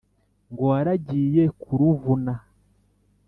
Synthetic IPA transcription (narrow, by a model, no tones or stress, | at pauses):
ŋɡoaɾaɟiːjekʰuɾuvuna